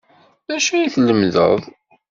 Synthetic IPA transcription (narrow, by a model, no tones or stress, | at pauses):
ðæʃæjiθləmðə̰ðˤ